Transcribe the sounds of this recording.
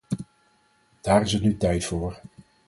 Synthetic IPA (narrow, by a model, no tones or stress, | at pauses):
d̥aːɾɪsɛtnytɛjtfoːɹ